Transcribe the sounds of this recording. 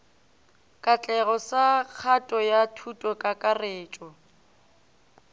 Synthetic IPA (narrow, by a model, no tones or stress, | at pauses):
kʼat͡ɬʼɛɣɔsak͡xʰatʼɔjatʰutʼɔkʼakʼareːt͡ʃʼɔ